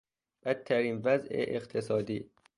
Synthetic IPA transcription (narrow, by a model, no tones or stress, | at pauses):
b̥æt̪ʰːæɾiːnvæzʔḛʔeqt̪ʰesɒːd̪iː